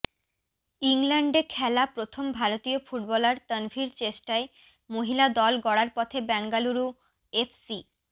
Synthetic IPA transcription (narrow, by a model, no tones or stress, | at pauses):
iŋlɛɳɖekʰɛlapɾot̪ʰombʱaɾot̪iofuʈbɔlaɾt̪ənfiɾt͡ɕeʃʈae | moɦilad̪ɔlɡɔɽaɾpɔt̪ʰebɛŋɡaluɾu | efʰsi